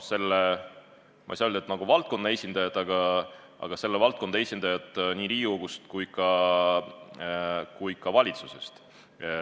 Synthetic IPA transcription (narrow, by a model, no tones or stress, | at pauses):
se̞lːe | mɑ̰sɑøld̪et̪nɑɡ̥uvɑlt̪̚ko̞nːɑesʲind̪̥ɑjɑt̪ɑɡ̥ɑ | ʔɑ̰ɡ̥ɑse̞lːevɑlt̪̚ko̞nd̪ɑe̞sʲind̪ɑjɑt̪ˑniːɾiːuɡ̥ust̪kujkɑ | kujkɑvɑlʲit̪suse̞st̪